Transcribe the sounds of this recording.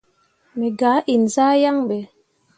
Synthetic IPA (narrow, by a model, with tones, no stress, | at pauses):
mɛ˨ɡaː˨˦ʔi˨nzaː˦ja˦ŋɓɛ˨